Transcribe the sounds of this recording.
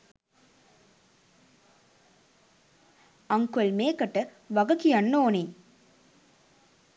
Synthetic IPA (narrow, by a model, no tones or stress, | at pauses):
ɐŋkuɐlmeːkɐʈːɐ | ʋɐɡɐkijɐnːoːne